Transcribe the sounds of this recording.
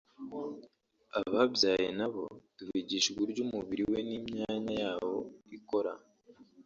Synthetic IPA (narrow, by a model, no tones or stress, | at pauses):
aβabjaːjenaβo̞̰d̥uviɟiʃɡiɾɟumuβiɾiwe̞niːmɲaːɲajaːβo̞̰iko̞ɾa̰